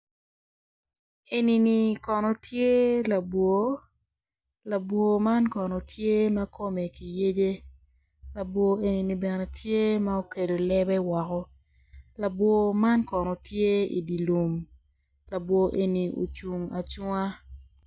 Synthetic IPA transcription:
e˨ni˨ni˨kɔ˨nɔ˨tʰje˦la˨bwo˨ | la˨bwo˨ma˦nkɔ˨nɔ˨tje˦ma˦kʰo˦me˨ki˨je˦d͡ʒe˦ | la˨bwo˨e˨ni˨ni˨bɛ˨ne˨tʰje˦ma˦o˦ke˨do˨lɛ˦bɛ˦wɔ˨kɔ˦ | la˨bwo˨ma˦nkɔ˨nɔ˨tje˦ḭ˨di˨lu˨m | la˨bwo˨ʔe˨ni˨o̰˨t͡ʃu˨ŋa˨t͡ʃŋa˦

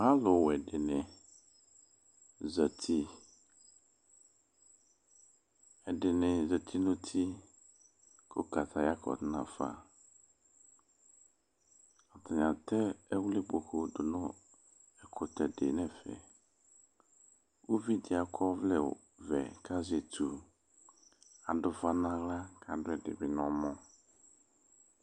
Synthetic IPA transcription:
ma˦lʊ˨wɛ˨dɪ˨nɪ̃˨ | zə˨t̪ʰi˦ | ɛ˨dɪ˨nɪ̃˨zə˨t̪ʰi˦nʊ̃˦t̪ʰi˦ | kʰo˦ka˨t̪ʰa˨ja˦kʰɔ̰˨tnã̰˨fa̰˨ | ɔ˨tʰɪ˨ɲ˨ã˨tɛ˦ɛ˦wlɪ˦bo˨ko˨dʊ˨nʊ̃˦ | ɛ˨kʰʊ˨tʰɛ˨dɪ˨nɛ̃˦fɛ̰˨ | wo˦vi˦dɪ˨a˨kʰɔ˦vlɛ̰˨ | vɛ̰˨kʰa˦zɪ˨ɛ˨tʰu˨ | a˨dʊ˨fa˦nã˦ɣla˦kʰa˨dʊ˦ɛ˨dɪ̰˨bɪ˨nɔ̃˨˦mɔ̃˦

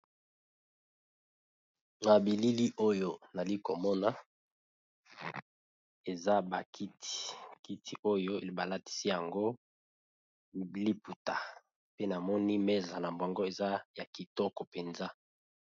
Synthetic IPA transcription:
na˨bi˨li˦li˦ʔo˦jo˦na˨li˦ko˨mɔ˦na˦ | e˨za˦ba˨kʰi˦ti̥˨ki˦tʰi˨ʔo˦jo˦˨ba˨la˦ti̥˦si˦ja˨ŋɡo˦ | li˦pu˨ta˨ | pe˦na˨mɔ˦ni˦mɛ˦za˨na˨mbo˨ŋɡo˦e˨za˦ja˨ki˨tɔ˦kɔ˨pe˨nza˦

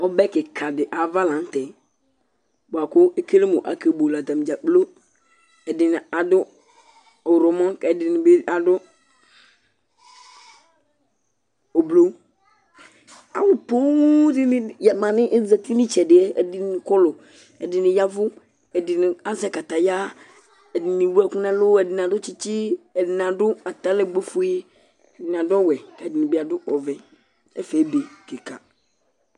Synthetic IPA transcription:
ɔ˦bɛ˦kɪ˨kʰa˨dɪ˨ʔa˨va˦lã˨˦n̩˦tɛ˨˦ | bʊ˨a˨kʊ˦e˦ke˦le˦mʊ̰˨ʔa̰˨ke˨bo˨la˨ta˨m˨d͡ʒa˨k͡plo˦ | ɛ˨dɪ˨nɪ˨a˨dʊ˦ | ɔ˨ɾɔ˨mɔ̃˦ɛ˨dɪ˨nɪ˨be˦a˨dʊ˦ | o˨blo˦ | a̰˨wʊ˨po˦dɪ˦nɪ˦˨ja˨mã˨nɪ̃˦ʔzɛ˨ti˦nɪ̃˦t͡ʃɛ˨dɪ˨ɛ˦ɛ̰˨dɪ˨nɪ˨kɔ˦lʊ˨ | ɛ˨dɪ˨nɪ̃˨ja˦vʊ˦ | ɛ˨dɪ˨nɪ˨a˦zɛ˨ka˨t̪a˨ja˦ | ɛ˨dɪ˨nɪ˨wu˦ɛ˦˨kʊ˦nɛ̃˦lʊ˦ɛ˨dɪ˨n˨a˨dʊ˦t͡ʃɪ˦t͡ʃɪ˦ɛ˨dɪ˨n˨ã˨dʊ˦a˨t̪a˨˦lɛ˦ɡ͡be˦fʊ˦ji˦ | ɛ˨dɪ˨n˨a˨dʊ˦ɔ˦wɛ˨kɛ˨dɪ˨nɪ˨bɪ˨a˨dʊ˦ʔɔ˨vɛ˨ | ɛ̰˦fɛ˨˦be˨ke˨ka̰˨

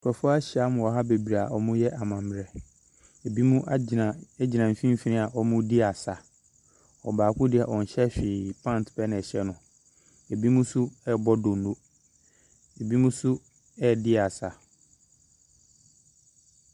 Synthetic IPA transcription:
kʰɛ˨fʊ˦a˦ɕɪ˨a˨˦mʊ̃˨wɔ˨ɦa˦be˨bi˨ɾa˨ɔ˨mʊ̃˦jɛ˦ʔa˨mã˨m˨ɾɛ˨ | e˨bi˦mũ˦ʔã˨ɛ˦d͡ʑi˨nã˨m̩˨fĩ˦m̩˦fi˨nɪ̃˦a˨ʔɔ˦mʊ̃˦dɪ˦a˨sa˨ | ɔ˨baː˨kʰʊ̃˦dɪ˦˨a˨ʔɔ˨n̩˨ɕɛ˦ɕᶣɪ˨pʰã˦˨n˨tpʰɛ˦nɪ̃˨ɕɛ˦nʊ̃˨ | e˨bi˦mũ˦sʊ˦ɛ˦˨bɔ˦dõ˨nː˦o˦ | e˨bi˦mũ˦sʊ˦ | ɛ˦˨dɪ˦a˨sa˨

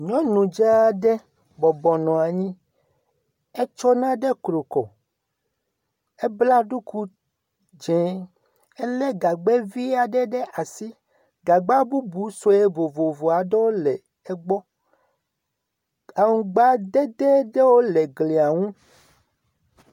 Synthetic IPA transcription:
ɲɔ̃˦nũ˨d͡ʒa˦ɖɛ˦ | bɔ˨bɔ˨nɔ̃˨a˨ɲĩ˦ | e˦t͡ʃɔ˦nã˦ɖɛ˦kɾo˨kɔ˨ | e˦bla˦ɖu˦ku˦ | d͡ʒɛ̃˨˦ | ɛ˦lɛ˦ɡa˨ɡ͡bɛ˦vi˦a˨ɖɛ˦ɖɛ˦ʔa˨si˦ | ɡa˨ɡ͡ba˦bu˦bu˨so˨e˦vo˨vo˨vo˨a˨ɖɛ˦wo˦lɛ˨ | ɛ˦ɡ͡bɔ˦ | a˨ŋũ˨ɡ͡ba˦d̪ɛ˦d̪ɛ˦ɖɛ˦wo˦lɛ˨ɡle˨a˨ŋũ˦

